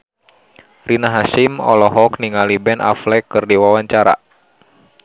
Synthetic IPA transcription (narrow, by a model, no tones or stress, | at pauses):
rinaɦasimɔ̰lɔɦɔkniŋalibɛnʔa̰flɛkɨrdiwawaɲt͡ʃaɾa̰